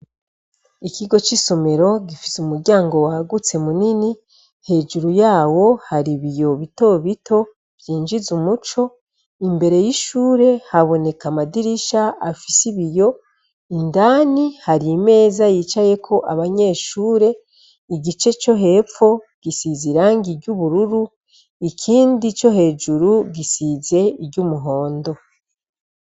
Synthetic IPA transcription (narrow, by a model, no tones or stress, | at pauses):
ikiɡo̞t͡ʃiso̞me̞ɾo̞ɡifi̥sumuɾɟaːŋɡo̞waɡut͡se̞munini | he̞ːd͡ʒuɾujaːwo̞haɾiβijo̞βito̞βito̞ | vjiːnd͡ʒizumut͡ʃo̞ | imbe̞ɾe̞jiʃuːɾe̞haβo̞ne̞kamadiɾiʃaafisiβijo | indaːnihaɾime̞ːzajit͡ʃaje̞kʰo̞ʔaβaɲe̞ːʃuːɾe̞ | iɟit͡ʃe̞t͡ʃo̞ɦe̞ːfo̞ | ɡ̥isiziɾaːŋɡiɾɟuβuɾuɾu | ikʰiːndit͡ʃo̞ɦe̞ːd͡ʒuɾuɡisize̞ɾɟumuɦo̞ːndo̞